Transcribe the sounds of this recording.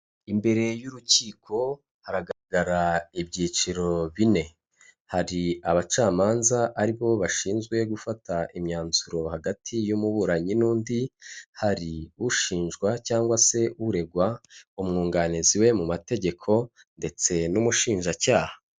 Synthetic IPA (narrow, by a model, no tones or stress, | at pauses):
imbe̞ɾe̞juɾuciːkʰo̞ | haɾaɡaɾaɡaɾaibɟiːt͡ʃiɾo̞βine̞ | haɾiaβat͡ʃaːmaːnzaʔaɾiβo̞βaʃiːnzɡwe̞ɡufataʔimɲaːnz̥uɾo̞haɡatʰijumuβuːɾaɲinuːndihaɾiuʃiːnʒɡwacaːŋɡwase̞uɾe̞ɡwaumŋuːŋɡaniziwe̞mumate̞ɟe̞kʰo̞ | nde̞t͡se̞numuʃiːnʒacaːhḁ